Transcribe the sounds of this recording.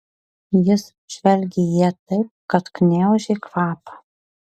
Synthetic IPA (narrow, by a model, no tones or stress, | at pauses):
jɪs | ʒ̥ʲʋʲɛlʲɡʲejiɛt̪ɐɪp̚kɐt̪knʲæˑʊʒʲɛkʋɑːpɐ̥